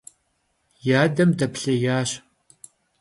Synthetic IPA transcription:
jaːdɐmdɐpɬɐjaːɕ

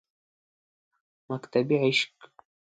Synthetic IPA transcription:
makt̪ʰabiʕiʃkʼ

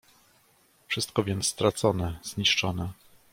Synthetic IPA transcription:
fʂɘst̪̚kɔvʲjɛnt̪sst̪ɾat̪sɔnɛz̥ɲiʂt͡ʂɔnɛ

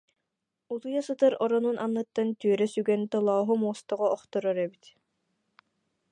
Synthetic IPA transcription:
ulˠujasɯt̪ɯɾɔɾɔnunʔanːɯt̪ːant̪yœɾɛsyɡɛnt̪ɯlˠaːɦumuɔst̪ɔʁɔɔχt̪ɔɾɔɾɛbit̪

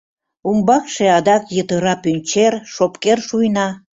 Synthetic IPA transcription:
umbɑkʃeɑd̪ɑkjət̪əɾɑpynʲt͡ɕerʃopkerʃujnɑ

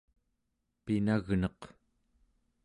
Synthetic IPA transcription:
pinaɣnʌq

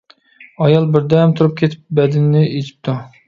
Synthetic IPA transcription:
ɑjɑlˠbɪɾd̪ɛmt̪ʰuɾup̚kʲʰet̪ʰɪ̥p̚bɛd̪ɪnːɪet͡ʃ̪ʰi̥p̚t̪ʰu

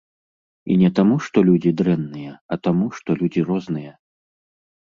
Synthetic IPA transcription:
ḭnʲɛt̪amuʂt̪ɔlʲud͡zʲid̪ɾɛnːɨjɛɐt̪amuʂt̪ɔlʲud͡zʲiɾɔznɨjɛ

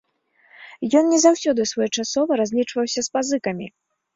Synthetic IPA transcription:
jɔnnʲɛzawsʲɔd̪ɨsvɔjɛt͡ʂasɔvɐɾazʲlʲit͡ʂvɐwsʲɐspazɨkɐmʲḭ

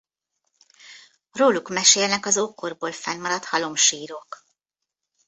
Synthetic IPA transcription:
roːlukmɛʃeːlnɛkɒzoːkːorboːlfɛnmɒɾɒt̪hɒlo̞mʃiːɾo̞k

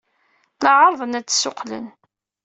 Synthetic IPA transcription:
lɑʕəɾˤðˤənæt͡sːsːʊqlə̰n

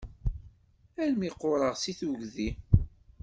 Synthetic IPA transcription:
ælmiqːoɾˤəʁsiθuʝði

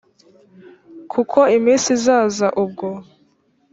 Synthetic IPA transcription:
kʰukʰo̞imiːnsizaːzaʔub̚ɡo

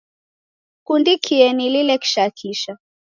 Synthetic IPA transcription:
kundikʰiɛnililɛki̥ʃakʰiʃa

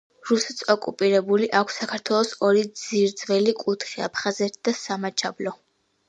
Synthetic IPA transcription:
ɾusɛ̥t̪sɔkʼupʼiɾɛbuliʔakʷʰsːakʰaɾt̪ʰwɛlˠɔsɔɾid̪z̥iɾd̪z̥vɛlikʼut̪ʰχia̰pʰχazɛt̪ʰid̪asamat͡ʃʰablɔ

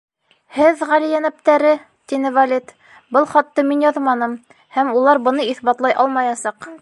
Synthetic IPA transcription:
hɘðʁælijænæp̚t̪æɾɘ | t̪inɘvalʲit̪ | bɤlˠχɑt̪ːɤminjɑðmɑnɤm | hæmulˠɑɾbɤ̆nɤiθbɑt̪lˠɑjʔɑlˠmɑjɑsɑq

